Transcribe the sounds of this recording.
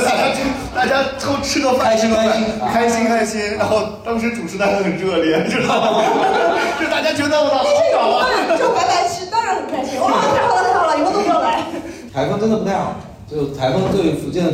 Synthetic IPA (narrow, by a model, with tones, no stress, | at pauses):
t̪a˥˩t͡ɕja˥t͡ɕ | t̪a˥˩t͡ɕja˥t̪ʰo˥ʊʈ͡ʂʰɻ̩˥ɡə˥˧fa˥˧ɕi˥a˥a˥˩˥kʰa˥ɪɕi˥ŋkʰa˥ɪɕi˥ŋɻa˧˥nxo˥˩ʊt̪ɑ˥ŋʂ̬ɻ̩˧˥ʈ͡ʂu˨˩ʈ͡ʂʰɻ̩˧˥t̪a˥˧t͡ɕja˥xə˨˩nɻɤ˥˩ljɛ˧˥nt͡ɕjo˥˧ʊ˩t̪ɑ˥˩ʊ˥t͡ɕo˥˧ʂt̪a˥˩t͡ɕja˥t͡ɕɛ˥ɑ˥˧pu˥t̪ɑ˥˩˥ɑ˨˩lɐ˧˦˥o˥pa˧˥ɪpa˧˥ɪt͡ɕ̩˧˥t̪ɑ˥ɻa˧˥nxə˨˩nkʰa˥ɪi˥˧˥d̪t̪t̪ɑ˥˩lə˧˩i˧˥t̪o˥po˥˩la˧˥ɪ | t̪ʰa˧˥ɪfʊ˥ŋʈ͡ʂnd̪ə˩pu˧˥t̪ʰa˥˩ɑ̰˨˩ | t͡ɕo˥˩t̪ʰa˧˥ɪkʰfʊ˥ŋ˧t̪we˥˩i˧˥fu˧˥t͡ɕjɛ˥nə˩